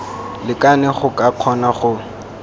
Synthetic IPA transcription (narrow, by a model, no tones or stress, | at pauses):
lɪkʼanɛχʊkʼaq͡χʰɔnaχʊ